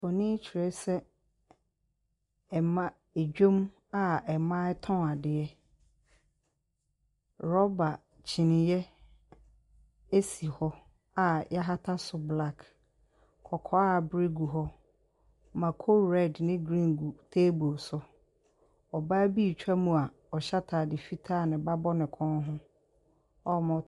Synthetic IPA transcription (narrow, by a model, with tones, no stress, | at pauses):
fɔ˨nɪ̃˦t͡ɕʰi˨ɾɛ˦sɛ˦ | ɛ˨mã˦ | e˨d͡ʑᶣo˦m | a˨ɛ˨mã˦ɛ˦tʰɔ̃˦a˨dɪ˨ɛ˦ | ɾɔ˦ba˨ | t͡ɕʰi˨nɪ̃˨jɛ˦ | e˦si˨hɔ˦ | a˨jɛ˦ɦa˦tʰa˦sʊ˨bla˦˨k | kʰɔ˨kʰɔ˦a˦˨bɾe˦ɡu˨ɦɔ˦ | mã˨kʰo˦lɾɛ˦˨dnɪ̃˦ɡɾĩ˦ŋɡu˨tʰe˦bo˨sʊ˦ | ɔ˨baː˦bi˦˨t͡ɕᶣa˦mũ˨a˨ | ɔ˨ɕa˦tʰaː˨dɪ˨fi˦tʰaː˦˨nɪ̃˨ba˦bɔ˦nɪ̃˨kʰɔ̃˦nɦʊ̃˦ | ɔ˦mʊ̃˦